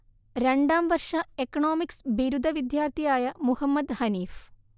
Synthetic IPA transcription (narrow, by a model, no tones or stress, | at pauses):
ɾeɳɖaːmʋɐɾʂɐekɐnoːmiksbiɾud̪ʱɐʋid̪jaːɾt̪ʰijaːjɐmuhɐmːɐd̪hɐniːf